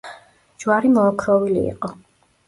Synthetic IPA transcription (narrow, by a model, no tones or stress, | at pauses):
d͡ʒwaɾimɔːkʰɾɔvilḭːqʼɔ